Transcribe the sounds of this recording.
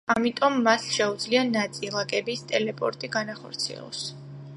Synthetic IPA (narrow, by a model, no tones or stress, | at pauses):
amit̪ʼɔmːasʃɛud̪zlianat̪sʼilˠakʼɛbist̪ʼɛlɛpʼɔ̰ɾt̪ʼiɡanaχɔ̰ɾt̪sʰiɛ̰lˠɔ̰s